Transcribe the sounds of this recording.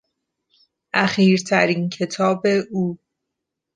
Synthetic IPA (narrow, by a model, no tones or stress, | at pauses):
ʔæxiːɾt̪ʰæɾiːncʰe̞t̪ʰɒːbe̞ʔuː